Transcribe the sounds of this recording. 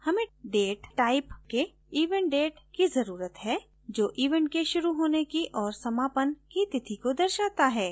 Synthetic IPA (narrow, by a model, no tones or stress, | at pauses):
hɐmẽɖeːʈʈaːɪpke | iːʋɛ̃ɳʈɖeːʈkizɐɾuːɾət̪ɦɛː | d͡ʒoːʔiːʋɛ̃ɳʈ̚keʃʊɾuɦoːnekiʔɔːɾsɐmaːpənkit̪ɪt̪ʰikod̪ɐɾʃaːt̪aɦɛː